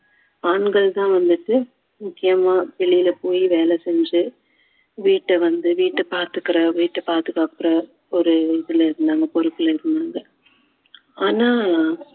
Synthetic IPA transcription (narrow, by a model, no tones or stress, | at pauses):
aːɳɡɐɭt̪ãːʋɐnd̪ɯʈːɯ | mʊkːɪjɐmaːpɛɭɪjɪlɐpoːjiʋeːlɛsɛnd͡ʒɯ | ʋiːʈːɐʋɐnd̪ɯʋiːʈːɐpaːɾt̪ɯkːɪɾɐʋiːʈːɐpaːɾt̪ɯkaːpɯɾɐ | ɔɾɯɪðɪlɐɪɾɯnd̪aːŋɡɐpɔɾɯpːɪlɐɪɾɯnd̪aːŋɡɐ | aːnaː